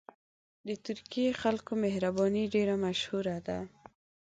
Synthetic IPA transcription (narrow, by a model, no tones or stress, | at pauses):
d̪ət̪ʊɾkijexalkomehɾabɑniɖeɾamaʃhuɾad̪a